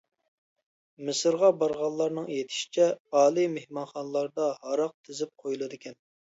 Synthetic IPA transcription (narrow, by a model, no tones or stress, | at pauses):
mɪsɨɾʁɑbɑɾʁɑnlːˠɑɾnɨŋjet̪ʰɪ̥ʃi̥t͡ʃʰɛɑːlˠimehmɑnχɑnlˠɑɾd̪ɑhɑɾɑq̚t̪ʰɪzɪp̚qʰojulˠɨd̪ɪkʲɛn